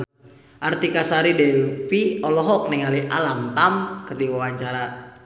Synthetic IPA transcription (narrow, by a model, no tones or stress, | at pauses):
ʔart̪ikasaɾidɛfiɔlɔɦɔk̚nɛŋaliʔa̰lamt̪amkərdiwawaɲt͡ʃaɾa